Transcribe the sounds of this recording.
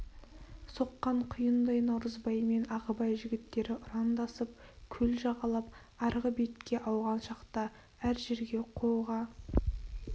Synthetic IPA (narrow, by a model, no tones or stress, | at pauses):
so̞qːɑɴqʰʊjənd̪ɑjnɑwɾəzbɑjme̞nɑʁəbɑjʒɪɡʲɪt̪ːe̞ɾɪʔʊɾɑnd̪ɑsəp̚kʲʰɵlʒɑʁɑlˠɑp̚ | ɑɾʁəbe̞t̪kʲːe̞ʔɑwʁɑnʃɑqt̪ɑ | æɾʒe̞ɾɡʲe̞qʰo̞lʁɑ